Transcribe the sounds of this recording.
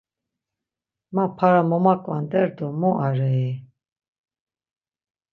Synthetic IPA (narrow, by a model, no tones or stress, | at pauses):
mapʰaɾamɔmakʼwand̪ɛɾd̪ɔmɔʔaɾɛj